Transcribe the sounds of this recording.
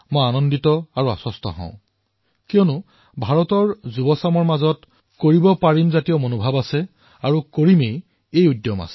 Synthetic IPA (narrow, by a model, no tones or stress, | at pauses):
mojanɔnditɔaɹua̰sɔstɔ̰ɦɔ̰̃ʊ̃ | kijɔnʊ | bʱaɹɔtɔɹzubɔsamɔɹmazɔt | koɹibɔpaɹimzatijɔmonobʱabasɛ | aɹukoɹimej | ejudjɔma̰sɛ̥